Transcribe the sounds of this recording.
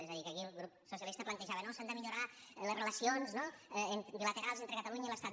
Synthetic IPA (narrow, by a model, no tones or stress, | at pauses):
ezəðikəkiəlˠɣɾup̚sos̬jəlist̪əplənt̪əʒaβənosand̪əmiʎuɾa | ləzrələsionznoɛent̪bilət̪eɾalˠzent̪ɾəkət̪əluɲəiləst̪at̪